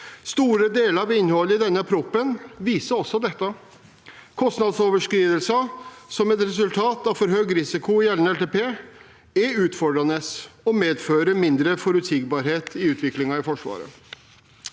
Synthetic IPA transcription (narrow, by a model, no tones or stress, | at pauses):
st̪uːɾəd̪eːləɾɑʋɪnhɔlːɪd̪ɛnːəɑpʰɾupːənʋiːsəɾɔsːɔd̪ɛt̪ːɑ | kʰɔst̪nɑd̪soːʋəʂkɾiːd̪əlsəsɔmɛt̪ɾɛsʉlt̪ʰɑːt̪ɑʋfɔɾɦøːɡɾɪsɪkʊɪjɛlnɛlt̪eːpeː | ɛɾʉːt̪fɔɖɾɑnəsɔmeːd̪føːɾəmɪnd̪ɾəfɔɾʉt̪sɪɡ̚bɑːɾheːt̪ʰɪʉːt̪ʰʋɪklɪŋɑɪfɔʂʋɑ̰ːɾə̰